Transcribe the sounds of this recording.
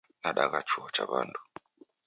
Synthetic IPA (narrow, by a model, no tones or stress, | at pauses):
naɗaɣat͡ʃuɔt͡ʃaβandu